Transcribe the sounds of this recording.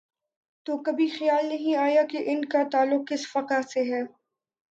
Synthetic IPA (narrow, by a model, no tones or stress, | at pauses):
t̪oːkɐbʱixɐjaːlnɐɦĩaːjakeʔɪnkat̪aːlːʊq̚ːɪsfɐqaseɦɛː